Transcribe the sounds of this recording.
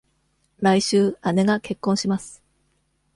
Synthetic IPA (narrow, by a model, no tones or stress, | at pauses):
ɾaiɕɨːane̞ɡake̞kːõɰ̃ɕimasɨ̥